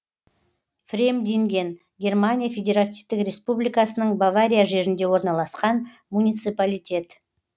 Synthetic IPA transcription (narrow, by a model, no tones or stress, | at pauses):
frʲemd̪ʲiŋɡʲe̞n | ɡʲe̞rmanʲijafʲedʲe̞ɾat̪ift̪ɪkɾʲe̞spublʲijkasənəɴbavaɾʲijaʒe̞ɾɪnd̪e̞wo̞ɾnɑlˠɑsqɑn | munʲijt̪sɨpalʲijtʲe̞t̪